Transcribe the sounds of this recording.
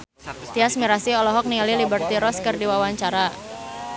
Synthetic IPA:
t̪iasmiɾasiɔlɔɦɔk̚niŋalilibərt̪iɾɔskɨrdiwawaɲt͡ʃaɾa

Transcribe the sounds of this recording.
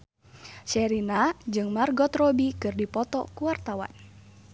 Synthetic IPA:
t͡ʃɛɾinad͡ʒɨŋmarɡɔt̪ɾɔbikɨrdipɔt̪ɔ̰kuwart̪awa̰n

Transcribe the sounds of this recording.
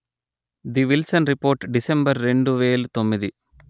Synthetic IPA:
d̪iʋilsɐnɾipo̞ːɾʈɖisembɐɾːe̞ɳɖuʋeːlut̪o̞mːid̪i

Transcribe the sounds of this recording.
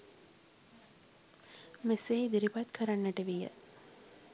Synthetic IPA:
mesejid̪iɾipat̪kʰəɾanːəʈəʋijə̰

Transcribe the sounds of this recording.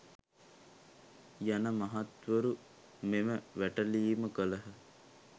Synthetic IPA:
janəmaɦat̪ʋəɾu | meməʋæʈəliːməkələɦə

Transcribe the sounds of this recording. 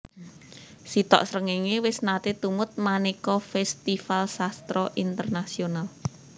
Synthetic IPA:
sit̪ɔ̰ʔsɾəŋiŋewɪsnat̪et̪umʊt̪̚manikɔfɛst̪ifalsast̪ɾɔʔint̪ərnasional

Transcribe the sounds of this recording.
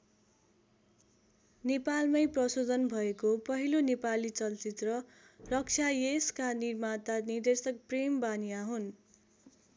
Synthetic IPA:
nepalmʌjprʌsod̪ʱʌnbʱʌekopʌɦilonepalit͡sʌlt͡sit̪rʌ | rʌk̚t͡sʰajeskanirmat̪anird̪esʌk̚prembanijaɦun

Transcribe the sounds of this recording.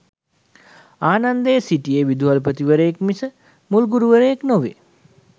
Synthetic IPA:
aːnand̪əjsiʈijeʋid̪uɦalpət̪iʋəɾəjekmisə | mulɡuɾuʋəɾəjeknoʋḛ

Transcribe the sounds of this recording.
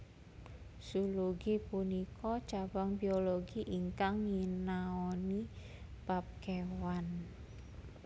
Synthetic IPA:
suluɡipunikɔt͡ʃabaŋbioloɡiʔiŋkaŋːinaɔni | b̥ap̚kewan

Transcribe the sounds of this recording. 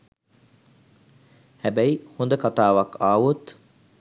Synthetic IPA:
hæbæihond̪əkat̪aːʋakaːʋut̪

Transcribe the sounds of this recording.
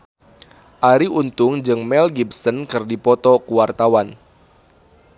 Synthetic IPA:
ʔaɾiʔunt̪ʊŋd͡ʒɨŋmɛlɡipsənkɨrdipɔt̪ɔkuwart̪awan

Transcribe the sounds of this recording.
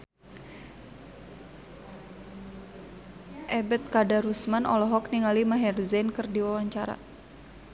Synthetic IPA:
ʔɛbɛt̪̚kadaɾusmanʔɔlɔɦɔkniŋalimaɦɛrzɛnkɨrdiwawaɲt͡ʃaɾa̰

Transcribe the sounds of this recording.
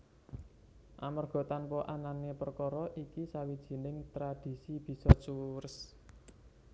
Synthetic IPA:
ʔa̰mərɡ̥ɔ̤t̪anpɔʔananepərkɔɾɔʔikisawid̥ʒ̥i̤nɪŋt̪ɾad̥i̤sib̥i̤sɔt͡ʃuɾɪs

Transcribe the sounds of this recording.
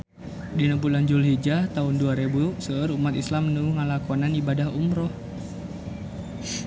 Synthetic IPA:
dinəmpuland͡ʒulɦid͡ʒat̪aunduaɾebusəːɾumat̪islamnuŋalakɔnanibadahumɾɔh

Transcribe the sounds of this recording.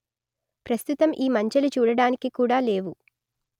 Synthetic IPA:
pɾɐst̪ut̪ɐmʔiːmɐɲt͡ʃɐlut͡ʃuːɽɐɽaːnikikuːɽaːle̞ːʋu

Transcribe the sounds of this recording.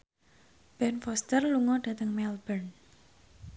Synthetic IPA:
b̥ɛnfɔst̪ərluŋɔd̥a̤t̪əŋmɛlbən

